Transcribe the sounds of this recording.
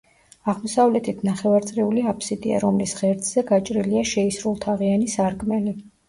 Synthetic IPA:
aʁmɔsavlɛt̪ʰit̪ʰnaχɛvaɾt̪sʼɾiuliapʰsid̪ḭa̰ɾɔmlisʁɛɾt̪ʰʼz̥ɛɡat͡ʃʼɾiliaʃɛisɾulˠt̪ʰaʁianisaɾɡʼmɛli

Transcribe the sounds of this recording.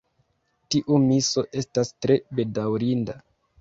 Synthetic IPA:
tiʔumiso̞ʔe̞stastɾe̞be̞dawɾinda

